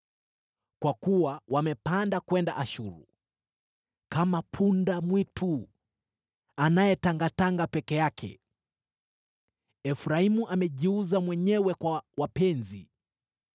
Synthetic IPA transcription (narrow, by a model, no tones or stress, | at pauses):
kwakuwawamɛpandakwɛndaʔaʃuɾṵ | kamapʰundamwitʰu | anajɛtaŋɡataŋɡapɛkɛjakʰɛ̰ | ɛfuɾaimuʔamɛʄiuzamwɛɲɛwɛkwawapɛnzi